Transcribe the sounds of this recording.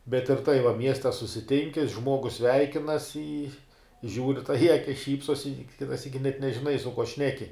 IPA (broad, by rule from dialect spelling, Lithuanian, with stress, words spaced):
bʲɛt ɪr tɐɪ ʋɐ ˈmʲiɛsʲtʲɛ sʊsʲɪˈtʲɪŋʲkʲɪ ˈʒmuɔɡʊs ˈsʲʋʲɛɪkʲɪnɐs ɪ ʒʲuːrʲ tɐɪ ɪ ˈɑːkʲɪs ˈʃʲiːpsoːs ɪ ˈkʲɪtɐ ˈsʲiːkʲɪ nʲɛʒʲɪˈnɐɪ sʊ kuɔ ˈʃʲnʲæːkʲɪ